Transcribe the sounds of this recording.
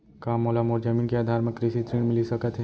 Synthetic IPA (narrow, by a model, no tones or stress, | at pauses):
kaːmːoːlamoːɾd͡ʒəmiːnkeaːd̪ʱaːɾmə̃kɾɪsit̪ɾiːɳmɪlisɐkət̪ɦɛ